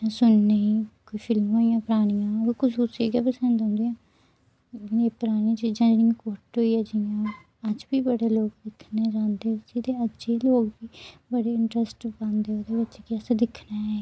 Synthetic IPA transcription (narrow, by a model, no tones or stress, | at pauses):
ãsʊnːeiːkoiːpʰɪlmɦoːijãːpəɾaːɽ̃ijãːoekʊsʊseːɡɛːpəsə̃nd̪õːnd̪eãː | neːpəɾaːɽ̃ĩt͡ʃiːd͡ʒãːd͡ʒeːɽiãːkoːɾʈɦoːiːɛːd͡ʒɪjãː | əd͡ʒbiːbəɽeːloːɡd̪ɪkʰneːd͡ʒãːnd̪eːɪt͡ʃiːt̪eːəd͡ʒd͡ʒeːloːɡbiːbəɽeːɪɳʈɾəsʈbə̃nd̪eːoːd̪eːbɪt͡ʃːkɪəsãd̪ɪkʰnaːɛː